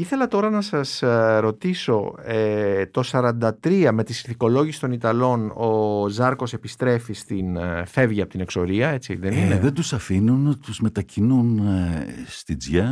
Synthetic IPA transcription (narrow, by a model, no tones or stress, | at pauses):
iθe̞lɐt̪o̞ɾɐnɐsɐsɾo̞t̪iso̞et̪o̞sɐɾɐnd̪ɐt̪ɾiɐme̞t̪isiθiko̞lo̞ʝisi̥st̪o̞nit̪ɐlo̞nozɐɾko̞se̞pist̪ɾe̞fist̪infe̞vʝɐpot̪ine̞kso̞ɾiɐe̞t͡sḭðe̞nineðend̪usɐfinunt̪uzme̞t̪ɐcinunest̪id͡zʝɐ